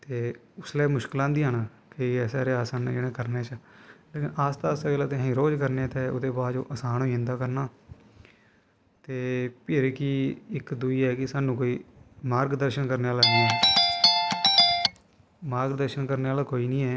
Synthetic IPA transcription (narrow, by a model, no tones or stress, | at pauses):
t̪eː | ʊslɛːmʊʃkɪlãːnd̪iːɦən | kiːɛːsɛːɾeaːsan̰ːd͡ʒeːɽ̃ẽːkəɾneːt͡ʃəleːkɪnaːst̪aːsaːeːlaːt̪ẽːɦĩːɾoːd͡ʒkəɾnet̪ɛːʊ̰d̪eːbaːd̪d͡ʒõ̰ːʔəsaːnoiːɪ̃nd̪aːkəɾnaː | t̪eːpʰɪɾkɪɪkd̪uiːɛːkɪsaːnːũːkoːiːmaːɾɡd̪əɾʃənkəɾneːaːlaːɡiːɛː | maːɾɡd̪əɾʃənkəɾneːaːlaːkoːiːnĩːɛː